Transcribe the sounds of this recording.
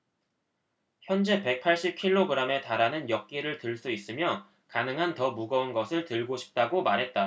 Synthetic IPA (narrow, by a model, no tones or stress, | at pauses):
çjʌnd͡ʑe̞pe̞k̚pʰaɭɕ͈ip̚kʰiɭːoɡɯɾame̞taɾanɯnjʌk̚k͈iɾɯɭtɯɭs͈uis͈ɯmjʌ | kanɯŋɦantʌmuɡʌunɡʌsʰɯɭtɯɭɡoɕʰi̥p̚t͈aɡomaɾɦe̞t̚t͈a